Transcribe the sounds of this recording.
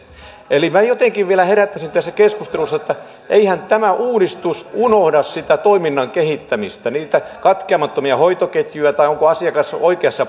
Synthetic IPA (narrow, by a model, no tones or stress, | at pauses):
elimæjot̪eŋkiʋʋielæheɾæt̪ːæsint̪æsːækeskust̪elusːɑet̪ːæ | ʔeihænt̪æmæʔuːɾist̪usunohdɑssit̪æt̪oiminːɑŋkehit̪ːæmist̪æniːt̪ækɑt̪keɑmɑt̪ːomiɑhoit̪oket̪juæt̪ɑioŋkoɑsiɑkɑsoikeɑsːɑ